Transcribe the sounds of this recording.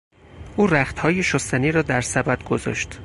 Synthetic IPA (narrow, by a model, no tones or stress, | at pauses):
ʔuːɾæxt̪hɒːjeʃost̪æniːɾɒːd̪æɾsæbæd̪ɡozɒ̰ːʃt̪